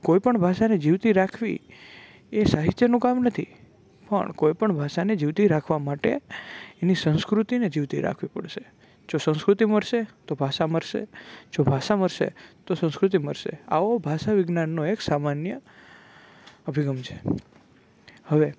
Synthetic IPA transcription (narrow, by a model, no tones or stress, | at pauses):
koipəɳbʱaʃaned͡ʒiʋt̪iɾakʰʋḭ | esaɦit̪jənũkamnət̪ʰi | pə̰ɳkoipəɳbʱaʃaned͡ʒiʋt̪iɾakʰʋamaʈḛenisə̃nskɾut̪ined͡ʒiʋt̪ḭɾa̰kʰʋipə̰ɽʃe | d͡ʒosə̃nskɾut̪iməɾʃet̪obʱaʃaməɾʃḛd͡ʒobʱaʃaməɾʃḛt̪osə̃nskɾut̪̬iməɾʃḛa̰obʱaʃaʋɪɡnanːoeksamanjə | əbʱiɡəmt͡ʃʰe̥ | həʋe